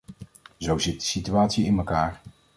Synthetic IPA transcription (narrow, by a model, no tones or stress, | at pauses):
zowzɪt̚dəsityaːtsiɪnməkaːɹ